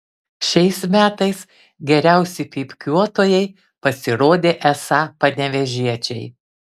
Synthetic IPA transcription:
ʃʲɛɪsmʲæːt̪ɐɪs | ɡʲɛɾʲæˑʊsʲɪpʲiːpʲkʲuɔt̪oːjɛɪ | pɐsʲɪɾoːd̪ʲeːʔɛsɑːpɐnʲɛʋʲɛʒʲiɛt͡ʃʲɛɪ

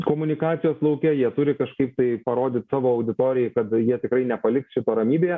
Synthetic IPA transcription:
koːmʊnʲɪkɑːt̪ʲɪjoːslˠɐʊkʲɛjiɛt̪ʊɾʲɪkɐʃkɐɪpt̪ɐɪpɐɾoːd̪ʲɪt̪sɑːʋoːɐʊd̪ʲɪt̪oːɾʲɪjɛɪkɐt̪jiɛt̪ʲɪkɾɐɪnʲɛpɐlʲɪksʃʲɪt̪oːɾɐmʲiːbʲeː

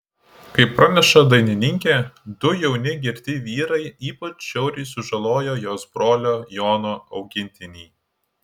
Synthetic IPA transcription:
kɐɪpːɾɐnʲɛʃɐd̪ɐɪnʲɪnʲɪŋʲkʲed̪ʊjɛʊnʲɪɡʲɪɾʲt̪ʲɪʋʲiːɾɐɪiːpɐt͡ʃʃʲɛʊɾʲɪɪsʊʒɐlˠoːjoːjoːsbɾoːlʲoːjoːnoːɐʊɡʲɪnʲt̪ʲɪnʲiː

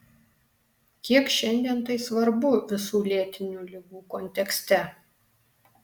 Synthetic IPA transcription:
kʲiɛkʃʲɛnʲd̪ʲiɛnt̪ɐɪsʋɐɾbʊʋʲɪsuːlʲiɛt̪ʲɪnʲuːlʲɪɡuːkɔnʲt̪ʲɛksʲt̪ʲɛ

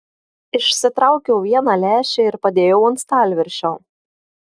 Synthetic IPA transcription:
ɪʃʲsʲɪt̪ɾɑˑʊkʲɛʊʋʲiɛnɑlʲæːʃʲeɪɾpɐd̪ʲeːjɛʊɐnt̪st̪ɑˑlʲʋʲɪɾʲʃʲoː

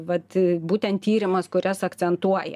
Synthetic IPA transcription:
ʋɐt̪buːt̪ʲɛntt̪ʲiːɾʲɪmɐskʊɾʲɛsɐkt͡s̪ʲsʲɛnt̪uɔjɛ̰

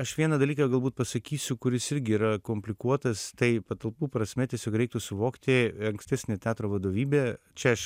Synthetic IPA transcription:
ɐʃʋʲiɛnɐd̪ɐlʲiːkɐɡɐlˠbuːt̪̚pɐsɐkʲiːsʲʊkʊɾʲɪsɪɾʲɡʲɪːɾɐkoːmʲpʲlʲɪkuɔt̪ɐst̪ɐɪpɐt̪ɐlˠpuːpɾɐsʲmʲɛt̪ʲɛsʲoːkɾʲɛɪkt̪ʊsʊʋoːkt̪ʲɪɐŋksʲt̪ʲæːsʲnʲeːt̪ʲæːt̪ɾoːʋɐd̪oːʋʲiːbʲeː | t͡ʃʲɛɐʃ

